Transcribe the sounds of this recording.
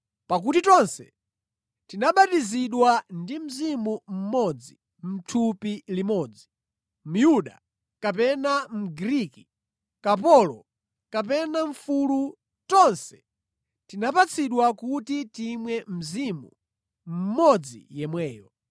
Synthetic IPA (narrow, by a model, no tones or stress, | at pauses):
pak̬utitɔnsɛ | tinaɓatiziɗwandim̩zimum̩mɔd͡zi | m̩tʰupilimɔːd͡zi | m̩juɗa̰ | kapɛnam̩ɡɾiki̥ | kapɔlɔ | kapɛnaɱ̩fulu | tɔnsɛ̥ | tinapat͡sʰiɗwakutitimwɛm̩zimṵ | m̩mɔd͡zḭjɛmwɛːjɔ